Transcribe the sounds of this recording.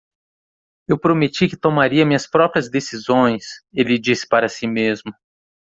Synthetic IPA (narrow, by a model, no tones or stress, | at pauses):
ewpɾomet͡ʃikɪt̪omaɾiɐmĩɲɐspɾɔpɾiɐzd̪esizõj̃selɪd͡ʒisɪ̥paɾɐsimezmʊ